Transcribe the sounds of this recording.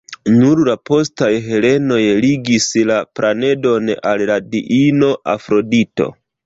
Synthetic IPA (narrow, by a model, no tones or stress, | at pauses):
nuɾlapo̞stajɦe̞le̞no̞jliɡislapɾʔane̞do̞na̰lladiʔino̞ʔa̰fɾo̞dito̞̰